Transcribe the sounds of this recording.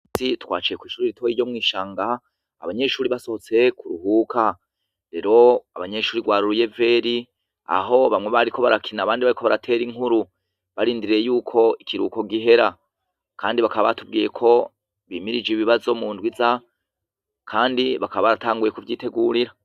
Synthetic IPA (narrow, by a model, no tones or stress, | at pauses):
itwa̰ːt͡ʃijekwiːʃuːɾiɾitʰo̞jijo̞mŋiːʃaːŋɡaː | βaɲe̞ʃuːɾiβaso̞hot͡se̞kʰuɾuhuːkʰa | ɾe̞ɾo̞aβaɲe̞ʃuːɾiɡwaːɾuɾuje̞ve̞ːɾi | a̰ɦo̞βamŋe̞βaɾikʰo̞βaɾakʰinaβaːndiβaɾikʰo̞βaɾatʰe̞ːɾiŋhuɾu | βaɾiːndiɾiɾejuːkʰo̞ikiɾṵːko̞ɡiɦe̞ɾa | kʰaːndiβakaβaβatubɡiːje̞kʰo̞ | βiːmiɾid͡ʒiβiβazo̞muːndwiza | kʰaːndiβakaβaβaɾataːŋɡuje̞kuvjɟiːte̞ɡuɾiɾa